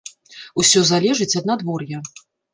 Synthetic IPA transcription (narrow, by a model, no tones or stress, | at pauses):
usʲɔzalʲɛʐɨt͡sʲɐd̪̚nad̪vɔrjɐ